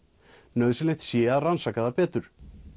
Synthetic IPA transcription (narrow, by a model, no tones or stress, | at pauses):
nœɥðsɪnleht̪sjɛːaðransaːkaðapɛːt̪ʏɾ̥